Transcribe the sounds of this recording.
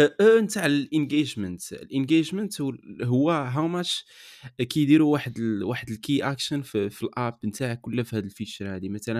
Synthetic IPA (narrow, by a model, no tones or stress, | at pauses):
ʔənt̪aʕlʔənɡeʒmənt̪ə̰lʔənɡeʒmənt̪ɦʊwːæɦawmæʃ | kæjd̪iɾuwaħəd̪waħəd̪əlkiʔækʃənffilʔæp̚ːənt̪aʕkʊlːæfihæd̪əlfit͡ʃəɾˤhæd̪imæt̪ælə